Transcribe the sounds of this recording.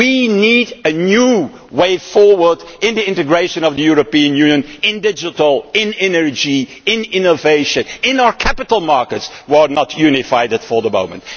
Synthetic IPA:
winidɨnju | weɪfɔɹwə˞dɪ̃nðiɪ̃ntɨɡɹeɪʃɨ̃nʌvðəjuɹəpiɨ̃njʉ̃njə̃nɪ̃ndɪd͡ʒɪtl̩ˠɪ̃nɛnə˞d͡ʒiɪ̃nɪ̃noveɪʃɨ̃nɪ̃naʊə˞kʰæpɨtəl̩ˠmɑɹkətswə˞nətʰjʉnɪfaɪdɨtfə˞ðəmõ̰ʊ̃mə̰̃nt

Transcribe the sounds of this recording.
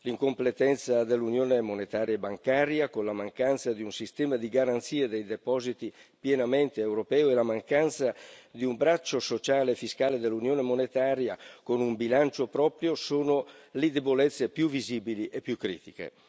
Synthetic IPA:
liŋkomplet̪ɛnt̪sad̪elːunjoːnemonet̪aːɾjaebaŋkaːɾjakonlamaŋkant̪sad̪iunsist̪ɛːmad̪iɡaɾant̪siːed̪ejd̪epɔːzit̪ipjɛnamɛnt̪eewɾopɛːoelamaŋkant̪sad̪iumbɾat͡ʃːosot͡ʃaːlefiskaːled̪elːunjoːnemonet̪aːɾjakonumbilant͡ʃopɾɔːpɾjosoːnoled̪ebolɛt̪sːepjuviziːbiliʔepːjukːɾḭːt̪ikḛ

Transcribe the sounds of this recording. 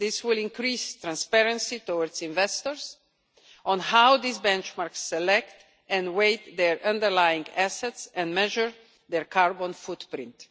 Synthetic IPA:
ðɪswɪlɪ̃ŋkɾistɾãnspɛɹə̃nsitɔwəɹdsĩɱvɛstɔɹs | ʔɔ̃nhawd̪isbɛ̃nt͡ʃmaɹksːɛlɛkt | ɛ̃nweɪtd̪ɛɹʔʌ̃ndəɹlajɪ̃ŋɡæsɛtsɛ̃nmɛʒəɹ | ðɛɹkʰaɹbɔ̃nfudpɾɪ̃nt

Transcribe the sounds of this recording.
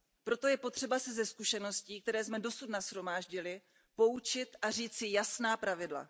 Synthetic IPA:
pɾo̞t̪o̞jɛpo̞t̪r̝̥ɛbasɪzɛskuʃɛno̞sciːk̚t̪ɛɾɛːsmɛdo̞sut̪nasxɾo̞maːʒɟɪlɪ | po̞ut͡ʃɪt̪ʔariːt͡sɪjasnaːpɾavɪdla̰

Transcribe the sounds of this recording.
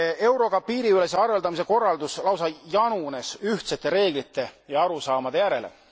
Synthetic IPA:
e̞wɾo̞kɑpːiːɾiyle̞seɑɾeld̪ɑmis̬e̞ko̞rːɑld̪uslɑwsɑjɑnune̞syht̪se̞t̪ːˑe̞ɾe̞ːɡ̥lit̪ːˑe̞jɑɑɾusɑːmɑd̪e̞jæɾe̞̰lḛ

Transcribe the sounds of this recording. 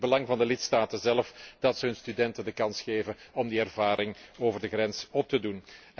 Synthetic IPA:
bəlɑŋvɑndəlɪtstaːtəzɛlfd̥ɑtsəɦɵnstydɛntəndəkɑnsxeːvənɔmdiɛrvaːɾɪŋoːvərdəɣrɛnsɔp̚tədun

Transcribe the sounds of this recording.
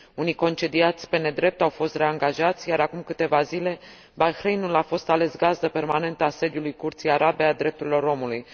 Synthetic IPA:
unijko̞nt͡ʃe̞d̪iat̪sʲpe̞ne̞d̪ɾe̞p̚t̪awfo̞st̪ɾe̞aŋɡaʒat̪sʲjaɾakumkɨt̪e̞vazile̞ | balxɾejnulafo̞st̪ale̞sɡazd̪əpe̞rmane̞nt̪əase̞d̪julujkurt̪sijaɾʔabe̞ad̪ɾe̞p̚t̪uɾʲilo̞ɾo̞muluj

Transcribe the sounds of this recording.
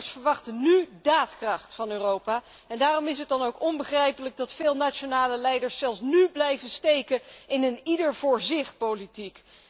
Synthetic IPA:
sfəɹʋɑχtənydaːtkrɑχtfɑnøːrowpaː | ɛndaːrɔmɪsɦət̚dɑnowkɔnbəχrɛjpələɡ̚dɑtfɪːlˠnaːt͡ʃonaːləlɛjdəɹssɛlˠsnyblɛjvənstejkəɪnənidəɹv̥ʊːɹzɪχtpowlitik

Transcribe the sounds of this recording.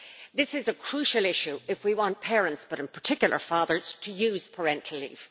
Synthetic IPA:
ðɪsɪzəkʰɹ̥uʃəlˠɪʃʉɪfwiwɑ̃npʰɛːɹə̃ntsb̥ʌɾɨ̃npʰə˞tʰɪkjl̩ˠə̰˞fɑːðə˞z̥tʰəjʉːz̥pʰə˞ɛ̃ntʰl̩ḭv̥

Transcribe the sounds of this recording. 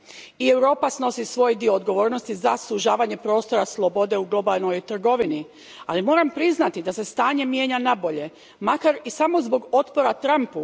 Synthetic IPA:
ie̞wɾo̞ːpasno̞sisʋo̞ːjd̪io̞ːd̪ɡo̞ʋo̞ːɾno̞st̪izasuʒaːʋaɲe̞pɾo̞ːst̪o̞ɾaslˠo̞bo̞d̪e̞uɡlˠo̞balˠno̞jt̪r̩ɡo̞ʋini | alimo̞ːɾampɾiznat̪id̪ase̞st̪aːɲe̞mje̞ːɲanabo̞ʎe̞ | makaɾisamo̞zbo̞ɡo̞t̪po̞ɾat̪ɾampu

